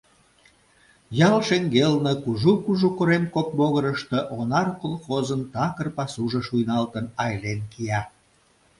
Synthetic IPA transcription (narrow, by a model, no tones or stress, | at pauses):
jɑlʃeŋɡelnɤkuʒukuʒukoɾemkok̚boɣəɾəʃt̪ə̆ʔonɑrkolxozənt̪ɑkərpɑsuʒə̆ʃujnɑlt̪ənɑjlenkiɑ